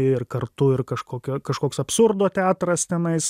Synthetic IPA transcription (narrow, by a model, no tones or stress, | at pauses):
ɪrkɐrt̪ʊɪrkɐʃkoːkʲoːkɐʃkoːksɐpsʊɾd̪oːt̪ʲæːt̪ɾɐst̪ʲɛnɐɪs